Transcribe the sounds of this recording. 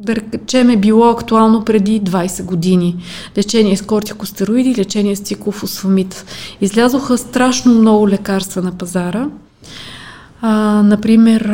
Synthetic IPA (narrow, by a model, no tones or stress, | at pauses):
d̪ɐɾɛt͡ʃɛmɛbilˠɔɐkt̪ualˠnopɾɛd̪id̪vajsɛɡod̪ini | lɛt͡ʃɛniɛskɔɾt̪ʲi̥kʊst̪ɛɾʊid̪ilɛt͡ʃɛnʲiɛst̪siklˠofʊsvɐmit̪izlʲazoxəst̪ɾaʃnomnɔɡʊlɛkaɾst̪vənɐpɐzaɾə | nɐpɾimɛɾ